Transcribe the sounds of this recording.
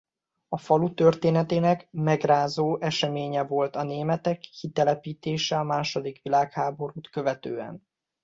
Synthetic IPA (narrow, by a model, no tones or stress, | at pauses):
ɒfɒlut̪ø̞rt̪eːnɛt̪eːnɛkmɛɡraːzoːʔɛʃɛmeːɲɛvo̞lt̪ɒneːmɛt̪ɛkːit̪ɛlɛpiːt̪eːʃɛɒmaːʃo̞d̪ikʋilaːkhaːbo̞ɾuːt̪kø̞vɛt̪ø̰ːɛ̰n